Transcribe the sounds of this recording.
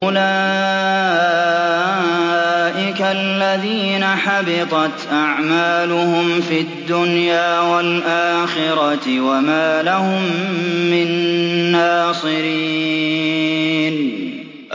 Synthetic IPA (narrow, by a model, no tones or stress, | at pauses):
ʔʊla | ʔɪkalːaðiːnaħabɪt̪ˤɑt̪ʔaʕmaːlʊhʊmfid̪ːʊnjaːwalʔaːxɪɾɑt̪ɪwamaːlahʊmːɪnːaːsˤɨɾi | n